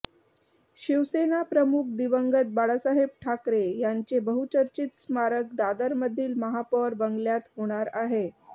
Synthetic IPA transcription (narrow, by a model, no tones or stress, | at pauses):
ɕiʋsenapɾəmuk̚ʰd̪iʋəŋɡət̪̚baɽasaɦeb̚ʈʰakɾejaɲt͡sebəɦut͡ɕəɾt͡ɕiːt̪smaɾək̚d̪ad̪əɾməd̪ʱːiːlməɦapəɾbəŋɡljat̪ɦoɽ̃aɾaɦe